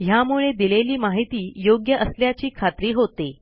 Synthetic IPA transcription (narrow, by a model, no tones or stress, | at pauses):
ɦjamuɭed̪ileliːmaɦit̪iːjoɡjəʔəsljat͡ɕiːkʰat̪ɾiːɦot̪e